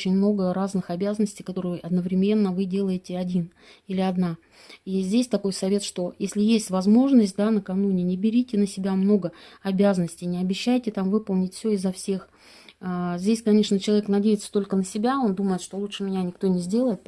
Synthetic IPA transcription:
ot͡ɕɪnʲmno̞ɡəraznɨxɐbʲazənəsʲtʲɪijkɐt̪o̞ɾʊjjɐd̪nəvɾʲɪmʲe̞nːəvɨdʲe̞lˠəjɪtʲɪɐdʲin | ilʲɪɐd̪na | izʲdʲesʲt̪ɐko̞jsɐvʲe̞t̪ʂt̪o̞jesʲlʲɪjesʲtʲvɐzmo̞ʐnəsʲt̚ʲd̪anəkɐnunʲɪnʲɪbʲɪɾʲitʲɪnəsʲɪbʲamno̞ɡəɐbʲæzənəsʲtʲɪjnʲɪɐbʲɪɕːæjtʲɪt̪amvɨpəlˠnʲɪtʲfsʲɵɪzːɐfsʲe̞x | zʲdʲesʲkɐnʲe̞ʂnət͡ɕɪlˠɐvʲeknɐdʲejɪt̪sə̥t̪o̞lʲkənəsʲɪbʲao̞nd̪uməjɪt̪ʂt̪o̞lˠutʂɨmʲɪnʲanʲɪk̚t̪o̞nʲɪzʲdʲe̞lˠəjɪt̪̚

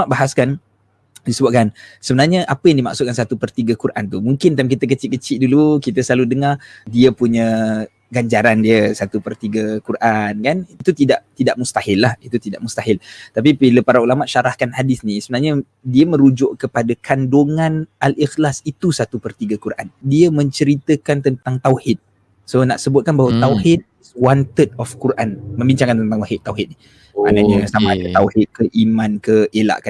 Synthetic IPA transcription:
maʔbaɦaskan | disəbaʔ̚kansəbənarɲəʔapəjaŋdima̰ksut̪̚kansat̪upərt̪iɡəkuɾʔa̰nt̪umuŋkɪnt̪amkit̪ək̬ət͡ʃɪʔ̚kət͡ʃɪʔdulukit̪əsəlaludəŋadiəpuɲə̃ | ɡaɲd͡ʒaɾandiəsat̪upərt̪iɡəkurʔankaniit̪ut̪idaʔt̪idaʔmust̪ahɪlːahit̪ut̪idaʔmust̪aɦɪlt̪ap̬ibiləpaɾaulamaʔʃaɾahkanhadɪsnisəbənarɲə | diəmə̃ɾud͡ʒʊʔkəpadakʰandoŋãnʔalixlasit̪usat̪upərt̪iɡəkuɾʔandiəmə̃ɲt͡ʃəɾit̪əkant̪ənt̪aŋt̪awhɪt̪̚ | sona̰ʔsəbʊt̪̚kanbahwət̪awɦɪt̪̚ | swant̪ət̪̚ɔfkuɾʔa̰nmə̃mbiɲt͡ʃaŋkant̪ənt̪aŋaɦɪt̪ːawɦɪt̪̚ni | a̰naɲasamãdət̪awhɪt̪̚kəʔimãnkəʔela̰ʔka

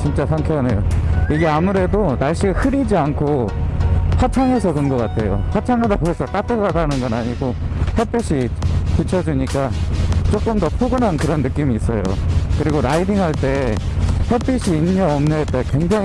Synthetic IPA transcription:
t͡ɕint͡ɕ͈asʰaŋkʰjʌnejoiɡe̞amuɾe̞donaɭɕ͈iɡahɯɾid͡ʑiankʰo | ɸʰat͡ɕʰaŋe̞sʰʌkɯnɡʌk͈atʰe̞jo̰ɸat͡ɕʰaŋadaboesʰʌk͈atʰɯɡadanɯnɡʌnaɲiɡohepʰeɕ͈ʰikut͡ɕʰʌd͡ʑuɲik͈at͡ɕ͈ok͈ɯmdʌpʰoɡɯnankɯɾʌnːɯk͈imiːs͈ʌjo̰kɯɾiɡoɾaidiŋɦaɭt͈e̞ | hepʰeɕʰiːnːʌʌmnʌet͈ekwe̞ŋd͡ʑaŋ

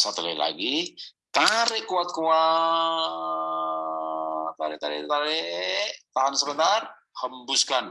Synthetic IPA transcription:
sat̪uləila̰ɡi | t̪aɾɛʔkuat̪̚kua | aɾɛʔt̪aɾɛ̰t̪aɾe | t̪aɦansəbənt̪ar | həmbuskan

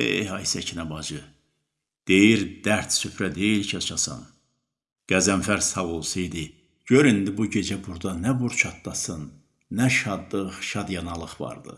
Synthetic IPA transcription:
ḛjhɑjsæcʰinæbɑd͡ʒɯ | d̪̥e̞jiɾd̪̥æɾt̪sypɾæd̪e̞jilcʰɑt͡ʃʰɑsɑ̰n | ɡ̥æzæmfæɾzsɑvolˠsɯjd̪i | ɟ̥øɾind̪ibuɟe̞d͡ʒæbuɾd̪ɑnæbuɾt͡ʃʰɑt̪̚ːɑsɯnː | æʃɑd̪lˠɯχʃɑd̪jɑnɑlˠɯχvɑ̰ɾd̪ɯ̰

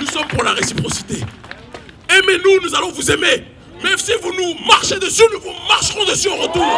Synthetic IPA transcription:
nusɔmpuʁlaʁesipχɔsi̥t̪e | emɛnunuzalɔ̃vuzeme | mɛsivunumaʁʃed̪əsynuvumaʁʃʁɔ̃d̪əsyoʁət̪uːʁ

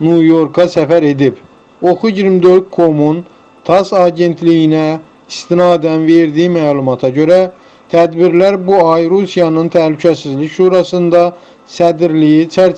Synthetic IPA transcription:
nujo̞ɾkʰɑsæfæɾe̞d̪ib | o̞kuɟiɾmd̪ø̞ɾd̪̚kʰo̞mun | t̪ʰɑsɑːɟe̞nt̪ʰlijinæ | ist̪inɑːd̪ænve̞ɾd̪ijimælˠumɑt̪ʰɑɟø̞ɾæ | t̪ʰæd̪biɾlæɾbuɑjɾusijɑnɯnt̪ʰæhlycʰæsizlicʃuːɾɑsɯnd̪ɑ | sæd̪iɾlijit͡ʃʰæɾ

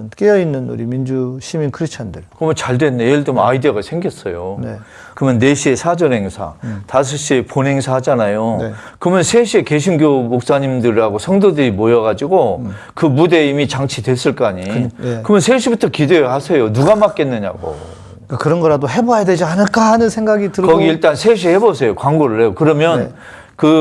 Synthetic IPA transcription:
nk͈ejʌinːɯnṵɾimind͡ʑuɕʰiminkʰɯɾist͡ɕʰandɯɭkɯmʌnt͡ɕaɭdwe̞nːejeɭd͡ʑomaideɡasʰe̞ŋɡjʌs͈ʌjone | kɯmjʌnːeɕʰie̞sʰad͡ʑʌnɦe̞ŋsʰa̰tas̬ʰʌɕ͈ʰieponɦeŋsʰaɦad͡ʑanajon | kɯmʌnsʰeɕʰie̞ke̞ɕʰinɡjomok̚s͈aɲimdɯɾiaɡosʰʌŋdodɯɾimojʌɡad͡ʑiɡo | kɯmude̞imit͡ɕaŋt͡ɕʰidwe̞s͈ɯɭk͈aɲikɯmjʌnsʰeɕʰibutʰʌkideeasʰejonuɡamak͈e̞nːɯɲa̰ɡo̰ | kakɯɾʌnɡʌɾadoɦebojadwe̞d͡ʑianɯɭk͈aɦanɯnsʰe̞ŋɡaɡitɯɾʌɡiːɭt͈ansʰeɕ̬ʰihe̞bosʰejokwaŋɡoɾɯɭɦeokɯɾʌmjʌn | kɯ

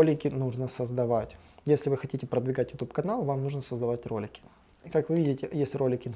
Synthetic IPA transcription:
olʲɪkʲɪnuʐnəsəzd̪ɐvatʲjesʲlʲɪvɨxɐtʲitʲɪpɾəd̪vʲɪɡatʲjʊt̪upkɐnalˠvamnuʐnəsəzd̪ɐvatʲro̞̰lʲɪkʲɪ̥ | kakvɨvʲidʲɪtʲɪjesʲlʲɪrolʲɪkʲɪn

